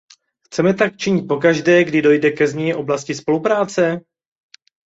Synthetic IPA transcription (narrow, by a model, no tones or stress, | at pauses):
xt͡sɛmɛt̪ak̚t͡ʃɪɲɪt̪̚po̞kaʒdɛːɡdɪdo̞jdɛkɛzɲɛjɪʔo̞blascɪspo̞lupɾaːt͡sɛ